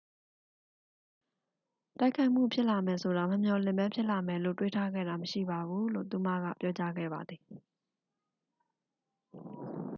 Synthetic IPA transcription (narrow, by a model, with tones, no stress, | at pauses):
ta˦ɪkʰa˦ɪʔm̥ṵ˦˨pʰjɪ˦ʔla˨mɛ˨sʰo˨ɾa˨məmjɔ˨lɪ̃˦˨mbɛ̃˦pʰjɪ˦ʔla˨mɛ˨lo̰˦˨twḛ˦˨tʰa˦ɡɛ̰˦˨ɾa˨məʃḭ˦˨ba˨βu˦lo̰˦˨t̪u˨ma̰˦˨ɡa̰˦˨pjɔ˦t͡ɕa˦ɡɛ̰˦˨ba˨d̪ði˨